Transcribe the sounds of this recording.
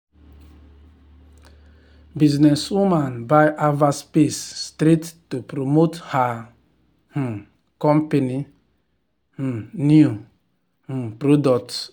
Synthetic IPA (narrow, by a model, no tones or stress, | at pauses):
biznɛswumãnbajʔavaspesːtɾettupɾomotha | h̩ | kɔ̃mpeni | h̩niu | h̩pɾodɔkt